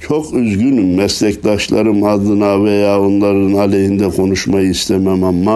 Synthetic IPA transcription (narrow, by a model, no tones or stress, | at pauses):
t͡ʃʰo̞kʰyzɡynmːɛslʲɛcd̪aʃlˠaɾɯmad̪ɯnavejaːonlˠaɾɯnɑlʲeɦind̪ɛkʰo̞nuʃmajɯist̪ʰɛmɛmamːa